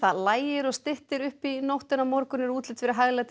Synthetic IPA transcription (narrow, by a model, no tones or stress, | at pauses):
θaðlaːjɪɾɔɣst̪ɪht̪ɪɾʏhpinowht̪ɪnamɔɾkʏnɪɾuːt̪lɪt̪fɪɾɪɾɦaɣlat̪